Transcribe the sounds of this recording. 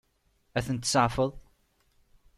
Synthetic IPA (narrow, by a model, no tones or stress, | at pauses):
æθənt̪səʕfəðˤ